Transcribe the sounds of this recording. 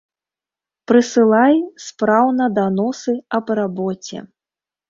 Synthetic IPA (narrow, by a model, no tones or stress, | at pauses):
pɾɨsɨlˠajspɾawnɐd̪anɔsɨɐbrabɔt͡sʲɛ̰